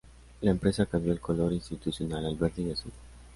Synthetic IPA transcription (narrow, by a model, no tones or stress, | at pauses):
laempɾesakambjoelkoloɾinst̪it̪usjonalalbeɾd̪iɣesu